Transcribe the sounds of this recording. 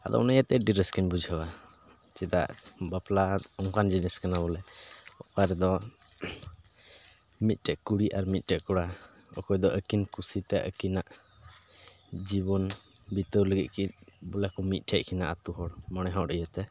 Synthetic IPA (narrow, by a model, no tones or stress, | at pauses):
a̰d̪ɔ̰najat̪ɛɖiɾəskinbud͡ʒʱəwa | t͡ʃɛd̪a̰ʔbaplaɔŋkand͡ʒiniskanabɔlɛɔkaɾɛd̪ɔ | mit̪̚ˀʈɛʔkuɽiʔaɾmit̪̚ˀʈɛʔkɔɽa | ɔ̰kɔjd̪ɔʔəkinkusit̪ɛʔə̰kinaʔ | d͡ʒibɔn | bit̪əwləɡit̪̚kinbɔlakɔmit̪̚ˀʈʰɛʔ̚ˀkʰinaʔat̪uɦɔɽmɔñɛɦãɖəjat̪ɛ